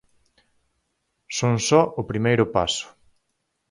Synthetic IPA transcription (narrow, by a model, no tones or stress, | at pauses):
soŋsɔʔʊpɾimejɾʊpa̰sʊ̥